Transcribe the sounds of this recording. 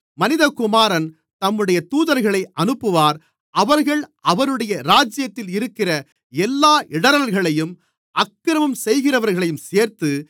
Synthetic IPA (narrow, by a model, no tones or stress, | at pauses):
mɐnɪðɐkʊmaːɾɐn | t̪ɐmːɯɽɐjɐt̪uːðɐɾɣɐɭɐɪʔɐnɯpːɯʋaːɾ | ʔɐʋɐɾɣɐɭʔɐʋɐɾɯɽɐjɐɾaːd͡ʒɪjɐt̪ːɪlɪɾɯkːɪrɐ | ɛlːaːʔɪɽɐɾɐlɣɐɭɐjɯm | ʔɐkːɪɾɐʋɐmsɛjɣɪrɐʋɐɾɣɐɭɐjɯmseːɾt̪ɯ